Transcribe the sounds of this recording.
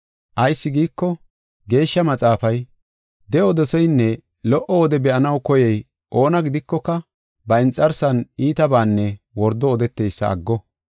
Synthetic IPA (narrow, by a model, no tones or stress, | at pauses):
ʔɐjsːɪɡiːkːɔ | ɡe̞ːʃːɐmɐt͡sʼaːfɐj | d̪ɛɔd̪ɔsɛjnːɛ | lɔʔɔɔd̪ɛbɛʔɐnɐwkɔjɛj | ʔo̞ːnɐɡɪd̪ɪkːɔkːɐ | bɐɪnt͡sʼːɐɾsɐniːt̪ɐbaːnːɛ | wɔɾd̪ːɔːd̪ɛt̪ːejsːɐ̰ɐ̰ɡːɔ